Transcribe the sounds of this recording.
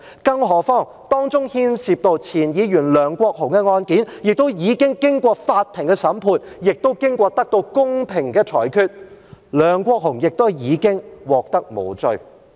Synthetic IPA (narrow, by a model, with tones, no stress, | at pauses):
kɐ˥ŋɦɔː˨˩fɔː˥˩ŋ | t̪ɔː˥ŋt͡sʊ˥ŋhiː˥nsi˨p̚t̪o˨˧wt͡sʰiː˨˩njiː˨˧ɥyː˨˩nlœː˨ŋkʷɔː˧k̚hʊ˨˩ŋkɛ˧ŋɔː˧nkiː˨˥njɪ˨k̚t̪o˥wjiː˨˧kɪ˥ŋkɪ˥ŋkʷɔː˧faː˧t̪ʰɪ˨˩ŋkɛ˧sɐ˨˥mpʰuː˧njɪ˨k̚t̪o˥wkɪ˥ŋkʷɔː˧t̪ɐ˥k̚t̪o˧wkʊ˥ŋpʰɪ˨˩ŋkɛː˧t͡ʃʰɔ̰ː˨˩jkʰyː˧t̚lœː˨ŋkʷɔː˧k̚ɦʊ˨˩ŋjɪ˨k̚t̪o˥wjiː˨˧kɪ˥ŋwɔː˨k̚t̪ɐ˥k̚mo̰˨˧wt͡sɵ˨˧ɥ